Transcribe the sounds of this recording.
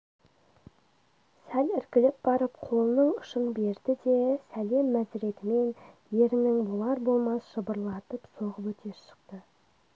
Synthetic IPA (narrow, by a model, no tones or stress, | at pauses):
sælɪɾkʲɪlɪp̚bɑɾəp̚qʰo̞lˠənəɴʊʃənbe̞ɾd̪ɪd̪e̞sæle̞mːæzɾe̞t̪ɪme̞nje̞ɾɪnɪŋbolˠɑɾbo̞lˠmɑsʒ̥əbəɾlˠɑt̪əpsoʁəpwɵt̪ʰe̞ɾʃə̥qt̪ə